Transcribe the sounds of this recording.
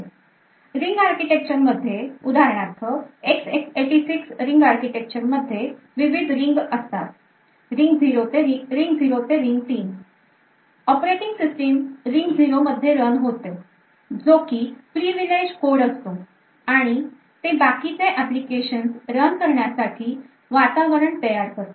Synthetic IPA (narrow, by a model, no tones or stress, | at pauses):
ɾiŋɡaɾkiʈek̚t͡ɕəɾməd̪ʱːjeud̪ʱaɾɳat̪ʰəeksekseʈisiksɾiŋɡaɾkiʈek̚t͡ɕəɾməd̪ʱːje | ʋiʋid̪ʱɾiŋɡəst̪a̰t̪̚ | ɾiŋɡd͡ziɾot̪eɾiɾiŋɡd͡ziɾot̪eɾiŋɡ̚t̪iːn | əpɾeʈiŋɡsisʈemɾiŋɡd͡ziɾoməd̪ʱːjeɾənɦot̪e | d͡zokiːfɾiʋiled͡ʑkoɽəst̪o | aɽ̃i | t̪ẽbakit͡seʔæplikeɕənsɾənkəɾɳjasaʈʰiː | ʋat̪aʋəɾəɳt̪əjaɾkəɾt̪o